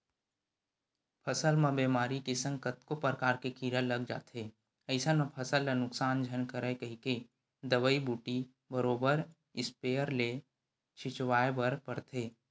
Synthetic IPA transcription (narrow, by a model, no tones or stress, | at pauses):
pʰɐsəlmɐ̃beːmaːɾikesə̃ŋkət̪kopɾəkaːɾkekiːɾəlːəɡ̚d͡ʒa̰ːt̪ɦeː | ɐɪsanə̃pʰəsəlːenʊksaːnd͡ʒʱɐnkəɾəkəɦike | d̪əʋəibuːʈi | bəɾoːbəɾ | ɪspeːəɾle | t͡ʃʰɪt͡ʃwaːebəɾpəɾt̪ʰeː